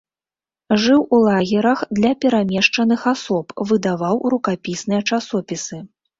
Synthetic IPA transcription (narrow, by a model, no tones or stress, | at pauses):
ʐɨwulˠaɣʲɛɾɐxd̪lʲɐpʲɛɾamʲɛʂt͡ʂɐn̪ɨxasɔpvɨd̪avawɾukapʲisnɨjɐt͡ʂasɔpʲisɨ